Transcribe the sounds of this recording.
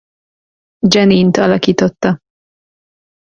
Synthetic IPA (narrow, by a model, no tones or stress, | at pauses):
d͡ʒɛniːnt̪ɒlɒkit̪ot̪ːɑ